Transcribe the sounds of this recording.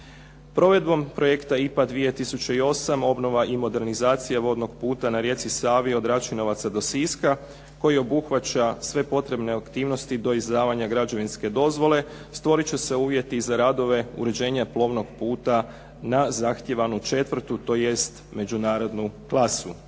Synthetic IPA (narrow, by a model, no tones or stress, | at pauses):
pɾo̞ʋe̞d̪bo̞mpɾo̞je̞kt̪aipad̪ʋije̞t̪isut͡ɕeio̞samo̞bno̞ʋaʔimo̞d̪e̞ɾnizaːt̪sijaʋo̞d̪no̞ɡpuːt̪anaɾje̞t̪sisaːʋio̞d̪ɾat͡ʃuno̞ʋat̪sad̪o̞siska | ko̞jio̞buxʋat͡ɕasʋe̞po̞t̪ɾe̞bneakt̪iːʋno̞st̪id̪o̞izd̪aːʋaɲaɡɾad͡ʒo̞ʋinske̞d̪o̞zʋo̞le̞ | st̪ʋo̞ɾit͡ɕese̞uːʋje̞t̪izaɾaːd̪o̞ʋe̞ṵɾe̞d͡ʑe̞ːɲaplˠo̞ːʋno̞ɡpuːt̪a | nazaxt̪je̞ʋanut͡ʃe̞t̪ʋr̩t̪ut̪o̞je̞st̪ | me̞d͡ʒunaːɾo̞d̪nuklˠasu